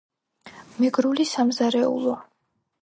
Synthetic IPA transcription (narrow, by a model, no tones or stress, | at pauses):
mɛɡɾulisamzaɾɛṵlˠɔ